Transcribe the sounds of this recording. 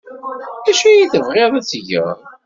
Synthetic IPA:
æʃæjiθəvʁeðˤæt͡sːʝə̰ʁ

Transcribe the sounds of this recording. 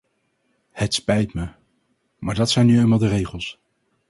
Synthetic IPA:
hətspɛjtmə | maːɹdɑtsɛjnyejmaːlˠdərejχəlˠs

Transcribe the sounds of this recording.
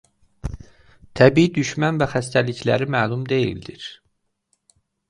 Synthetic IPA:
t̪ʰæbiːid̪yʃmænvæxæs̬t̪æliçlæ̰ɾimæːlˠumd̪e̞jḭld̪iɾ̥

